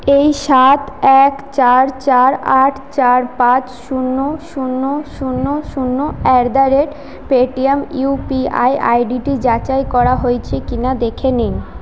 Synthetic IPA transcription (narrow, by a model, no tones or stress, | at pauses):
ejʃat̪ɛkt͡ɕaɾt͡ɕaɾaʈʰt͡ɕaɾpãt͡ɕʃunːoʃunːoʃunːoʃunːoɛkd̪aɾeʈ | peʈiemupia̰jʔa̰jɖiʈid͡ʑat͡ɕajkɔɾaɦojt͡ɕʰekinad̪ekʰenin